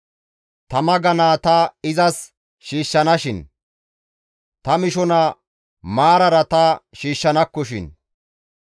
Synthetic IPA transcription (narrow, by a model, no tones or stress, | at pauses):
t̪ɐmɐɡɐnaːt̪ɐɪzɐs | ʃiːʃːɐnɐʃɪn | t̪ɐmɪʃɔnɐ | maːɾɐɾɐt̪ɐʃiːʃːɐnɐkːɔʃɪ̰n